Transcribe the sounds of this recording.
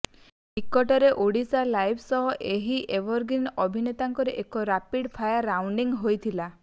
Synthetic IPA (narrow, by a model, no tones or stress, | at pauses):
ɦikːɔʈɔɾeʔoɽisalajbʰsɔɦɔʔeɦiʔebɔɾɡinɔbʱinet̪aŋkɔɾeʔekɔɾapiɽpʰajaɾːawɳɖiŋɦojt̪ʰila